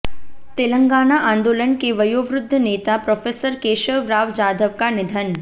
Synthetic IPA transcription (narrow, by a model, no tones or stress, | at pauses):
t̪ɪlə̃ŋɡaːnaʔãːnd̪oːlənkeʋɐjoːʋɾʊd̪ʱːəneːt̪apɾɔːfʰeːsəɾkeːʃəʋɾaːʋd͡ʒaːd̪ʱəʋkanɪd̪ʱən